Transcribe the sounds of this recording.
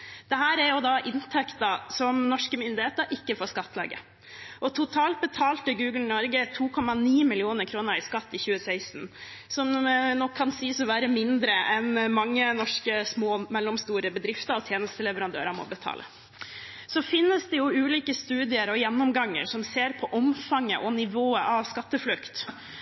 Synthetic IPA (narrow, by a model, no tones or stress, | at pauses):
d̪̥ɛɦæːɾæɾjʊd̪ɑʔɪnt̪ʰɛkt̪əsɔmnɔʂkəmʏnd̪ɪheːt̪əɾʔɪkːəfoːskɑt̪ːlɑ̰ːɡə̰ | ʔɔt̪ʰʊt̪ʰɑːlt̪̚bət̪ʰɑːlt̪əɡʉːɡl̩nnɔɾɡət̪ʰuːkʰɔmɑniːmɪlɪuːnəɾkʰɾuːnəɾɪskɑt̪ːɪçʉːəsæɪsn̩sɔmnɔkʰːɑnsiːsɔʋæːɾəmɪnd̪ɾəʔɛnmɑŋːənɔʂkəsmoːmɛlːɔmst̪uːɾəbəd̪ɾɪft̪əɾɔt̪ʰjeːnəst̪əlɛʋəɾɑnd̪ø̰ːɾɑɾmɔ̰bət̪ʰɑ̰ːlə̰ | sɔfɪnːəsd̪ɛjʊʉːliːkəst̪ʉːd̪ɪəɾɔjɛnːɔmɡɑŋːə̰ɾʂɔmseːɾpʰɔʔɔmfɑŋːəʔɔnɪʋoːəʔɑʋskɑt̪ːəflʉkt̪